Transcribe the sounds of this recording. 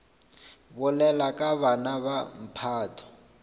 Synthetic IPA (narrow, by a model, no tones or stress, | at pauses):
bʊlɛlakʼaβanaβam̩pʰaːtʰɔ̥